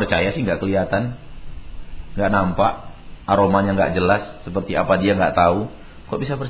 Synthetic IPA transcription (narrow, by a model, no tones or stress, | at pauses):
pərt͡ʃajasɪhŋɡaʔkəliat̪an | ŋɡaʔnampaʔaɾomaɲaŋɡa̰ʔd͡ʒəlasːəpərt̪ia̰padiaŋɡaʔt̪au | kɔʔbisapər